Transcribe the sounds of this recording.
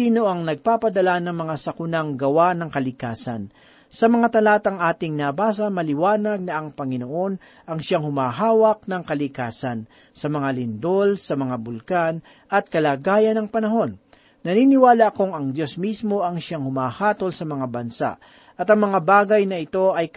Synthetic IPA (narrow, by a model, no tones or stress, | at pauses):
siːno̞ʔɐŋnɐɡ̚paːpɐd̪ɐlanɐŋmɐŋasɐkʊnaŋɡɐwanɐŋkɐlɪkaːsɐ̰n | sɐmɐŋat̪ɐlaːt̪ɐŋʔaːt̪ɪŋnabaːs̬ɐmɐlɪwaːnɐɡ̚nɐɐŋpɐŋɪnoʔo̞n | ʔɐŋʃaŋhʊmaːɦaːwɐk̚nɐŋkɐlɪkaːsɐn | sɐmɐŋalɪnd̪o̞lsɐmɐŋabʊlkan | ʔɐt̪̚kɐlaːɡaːjɐnɐŋpɐnɐɦo̞nː | ɐninɪwaːlɐʔko̞ŋɐŋd̪jo̞smismo̞ɐŋʃaŋhʊmaːhaːt̪o̞lsɐmɐŋabɐnsa̰ʔ | ʔɐt̪ɐŋmɐŋabaːɡɐjnɐɪt̪o̞ʔɐj